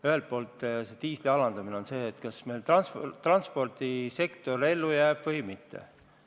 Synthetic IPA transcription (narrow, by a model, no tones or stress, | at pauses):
yhe̞lt̪̚po̞ːlt̪ːˑset̪iːsliɑlɑnd̪̥ɑmineo̞nse̞ːt̪kɑsmejlt̪ɑnst̪ːrɑnspo̞rt̪ise̞kt̪o̞ɾe̞lːujæːb̥vɤjmit̪ːḛ